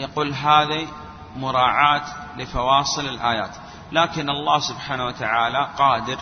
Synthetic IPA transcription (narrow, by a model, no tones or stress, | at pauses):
jaquːlɦaːði | mʊɾˤɑːʕaːt̪lɪfɑwɑːsˤɨlɪlʔaːjaːt̪ | laːkɪnʔɑlˤːɑːhsʊbħaːnawat̪aʕaːlaqɑːd̪ɪɾ